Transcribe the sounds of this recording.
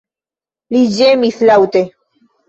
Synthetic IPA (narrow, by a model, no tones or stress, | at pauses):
lid͡ʒemislawt̪e